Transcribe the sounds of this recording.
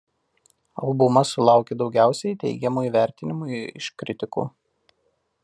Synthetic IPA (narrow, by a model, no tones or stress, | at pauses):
ɐlˠbʊmɐsʊlˠɑˑʊkʲed̪ɒʊɡʲæˑʊsʲɛɪt̪ʲɛ̰ɪɡʲɛmuːiːʋʲæˑɾʲt̪ʲɪnʲɪmuɪ̰ʃkɾʲɪt̪ʲɪkṵː